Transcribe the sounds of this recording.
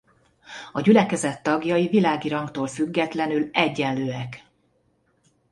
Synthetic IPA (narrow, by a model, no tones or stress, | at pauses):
ɒɟylɛkɛzɛt̪ːɒɡjɒjivilaːɡiɾɒŋkt̪oːlfyɡːɛt̪lɛnylɛɟːɛnløːɛk